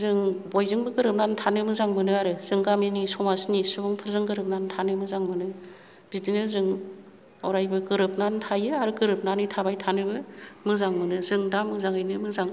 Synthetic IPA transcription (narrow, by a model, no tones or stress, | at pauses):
zɯŋbojzɯŋbɯɡɯɾɯp̚nantʰanɯmɯzaŋmɯnɯaɾɯz̥ɯŋɡaminisɔmasnisubuŋpʰɯɾzɯŋɡɯɾɯp̚nantʰanɯmɯzaŋmɯnɯ | bidinɯzɯŋ | ɔɾajbɯɡɯɾɯp̚nantʰajɯaɾɯɡɯɾɯp̚nanɯtʰabajtʰanɯbɯmɯzaŋmɯnɯzɯŋdamːɯzaŋɯjnɯmɯzaŋ